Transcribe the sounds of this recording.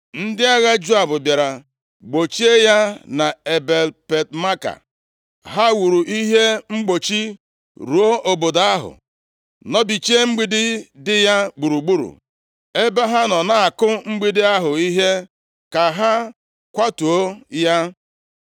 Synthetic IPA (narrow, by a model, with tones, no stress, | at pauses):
n̩˦dɪ˦a˦ɣa˦d͡ʒu˦a˨bʊ˨bja˨ɾa˨ | ɡ͡bo˨t͡ʃi˦e˦ja˦na˨e˨be˨lpe˨t̚ma˦ka̰˨ | ɦa˦wu˨ɾu˨ʔi˦ɦe˦ŋ͡m̩˦ɡ͡bo˨t͡ʃi˦ | ɾu˨o˦o˨bo˨da˦ɦʊ̰˨ | nɔ˦bi˨t͡ʃe˦ŋ͡m̩˦ɡ͡bi˦dɪ˦dɪ˦ja˦ɡ͡bu˨ɾu˨ɡ͡bu˦ɾṵ˨ | e˦ba˦ɦa˦nɔ˨na˨a˨kʊ˦ŋ͡m̩˦ɡ͡bi˨dɪ˦a˦ɦʊ˨i˦ɦe˦ | ka˨ɦa˦ | kʷa˦tu˨o˦ja˦